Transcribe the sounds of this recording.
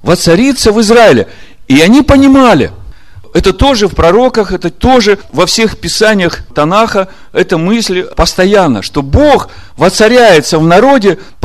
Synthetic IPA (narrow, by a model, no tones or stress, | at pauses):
vət̪sɐɾʲit̪səvɨzraɪlʲɪ̰ | iɐnʲipənʲɪmalʲɪ̰ | ɛt̪ət̪o̞ʐɨfpɾɐɾo̞kəxɛt̪ət̪o̞ʐɨvɐfsʲe̞xpʲɪsanʲɪjəxt̪ɐnaxə | ɛt̪əmɨsʲlʲpəst̪ɐjanːə̰ʂt̪o̞bo̞x | vət̪sɐɾʲæjɪt̪səvnɐɾo̞dʲɪ